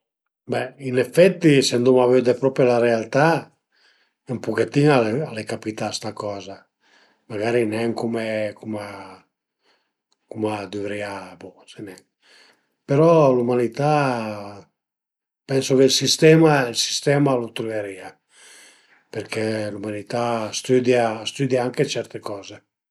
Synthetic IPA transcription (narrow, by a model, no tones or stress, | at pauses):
bɛinefɛt̪ːisend̪umavød̪epɾɔpelarealt̪a | ɛmpuket̪ːiŋaalekapit̪ast̪akɔːza | maɡaɾinɛŋkumekuma | kumad̪yvɾiabɔsenɛŋ | peɾɔlumanit̪a | pɛnsokeilsist̪ɛːmailsi̥st̪ɛːmalot̪ɾuveɾia | peɾkʰelumanit̪ast̪yd̪jast̪yd̪jaaŋket͡ʃɛɾt̪ekɔːze